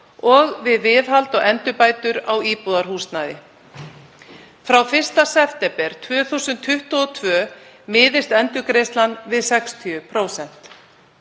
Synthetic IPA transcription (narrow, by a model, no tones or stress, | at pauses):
ɔɣvɪðvɪðɦalt̪ɔɣɛnt̪ʏpaːjt̪ʏɾawiːpuðaɾ̥huːst̪najðɪ | fɾawfɪr̥st̪asɛft̪ɛpɛɾ̥t̪ʰvœːθuwsʏnt̪ʰːʏht̪ɔɔt̪ʰvœː | mɪːðɪst̪ɛnt̪ʏkɾejst̪lanvɪðsɛkst̪ʰiʏpʰɾowsɛn̥t̪